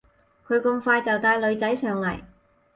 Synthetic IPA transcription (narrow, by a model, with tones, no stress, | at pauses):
kʰɵ˨˧ɥkɵ˧ŋfaː˧jt͡sɐ˨wt̪aː˧jlɵ˨˧ɥt͡sɐ˨˥jsœː˨˧ŋlɐ̰˨˩j